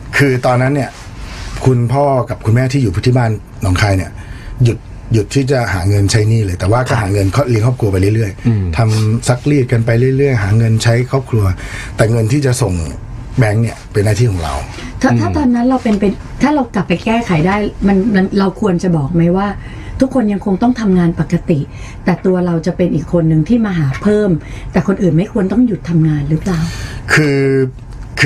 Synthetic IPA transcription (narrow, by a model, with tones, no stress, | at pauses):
kʰɯː˧t̪ɔː˧nːa˦˥nːi˥˩ɐ | kʰu˧npʰɔː˥˩ka˨˩p̚kʰu˧nmɛː˥˩t̪ʰiː˥˩juː˨˩pʰu˥t̪ʰi˥˩baː˥˩nː | ɔː˩˦ŋkʰaː˧jni˥˩ɐju˨˩t̪̚ | ju˨˩t̪ʰːiː˥˩t͡ɕa˨˩haː˩˦ŋɤ˧nt͡ɕʰa˦˥jniː˥˩lɤː˧jt̪ɛː˨˩waː˥˩kɔː˥˩ɦaː˩˦ŋɤ˧nkʰɔː˥˩li˧ŋkʰɔː˥˩p̚kʰɾu˧ɐpa˧jlɯ˥˩ɾɯ˥˩əjt̪ʰa˧msa˦˥k̚liː˥˩t̪̚ka˧npa˧jlɯ˥˩˨jɾɯ˥˩əjɦaː˩˦ŋɤ˧nt͡ɕʰa˦˥jkʰɔː˥˩p̚kʰlu˧ɐt̪ɛː˨˩ŋɤ˧nt̪ʰiː˥˩t͡ɕa˨˩so˨˩ŋ | bɛ˦˥ŋni˥˩ɐpe˧nːaː˥˩iː˥˩ɔ˩˦ŋɾa̰˧wt̪ʰa˥˩t̪ʰaː˥˩t̪ɔː˧nːa˦˥nɾa˧wpe˧npa˧j | t̪ʰaː˥˩ɾa˧wkla˨˩pːa˧jkɛː˥˩kʰa˨˩˦jdaː˥˩jma˧nma˧nɾa˧wkʰu˧ənt͡ɕa˨˩bɔː˨˩k̚ma˦˥jwaː˥˩ | t̪ʰu˦˥kʰːo˧nja˧ŋkʰo˧ŋt̪ɔ˥˩ŋt̪ʰa˧mŋaː˧npa˨˩kːa˧t̪i˨˩ʔ | t̪ɛː˨˩t̪u˧ɐɾa˧wt͡ɕa˨˩pe˧nʔiː˨˩kʰːo˧nːɯ˨˩ŋt̪ʰiː˥˩maː˧ɦaː˩˦pʰɤː˥˩mt̪ɛː˨˩kʰo˧nʔɯː˨˩nma˥˩jkʰu˧ənt̪ɔ˥˩ŋju˨˩t̪ʰːa˧mŋaː˧nɾɯ˦˥plaː˨˩wkʰɯː˧ | kʰː